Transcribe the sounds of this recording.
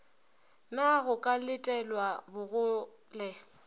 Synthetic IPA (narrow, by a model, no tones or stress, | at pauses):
naɣʊkʼalɪtʼɛlwabʊɣʊ | lɛ